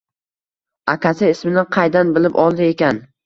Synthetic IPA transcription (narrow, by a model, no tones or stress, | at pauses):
akʲasɪɪsmɪnɪqʰɑjd̪anbɪlɪpɒlˠd̪ɪe̞kʲan